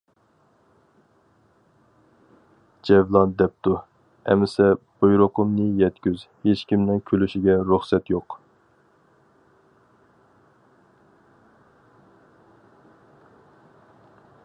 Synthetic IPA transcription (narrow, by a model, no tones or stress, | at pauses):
d͡ʒɛvlˠɑnd̪ɛp̚t̪u | ɛ̰mɪsɛb̥ujɾʊqʰʊmnɨjɛt̪kʲyz | het͡ʃkʲimnɪŋkʲʰølyʃiɡʲɛɾuχsɛt̪joq